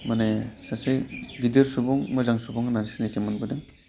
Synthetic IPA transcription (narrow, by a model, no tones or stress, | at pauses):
manejsaseɡideɾsubɔŋmɯzaŋsubɔŋnansinetʰemɯnbɯdɯŋ